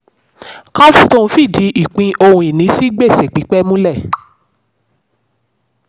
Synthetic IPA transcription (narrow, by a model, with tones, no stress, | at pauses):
ka˦stõ˦˨˧fi˦˨di˨˦ʔi˦˨k͡pĩ˧ʔo˧hũ˧i˨nĩ˨˦si˦ɡ͡be˦˨se˨k͡pi˨˦k͡pɛ˦mũ˦lɛ˦˨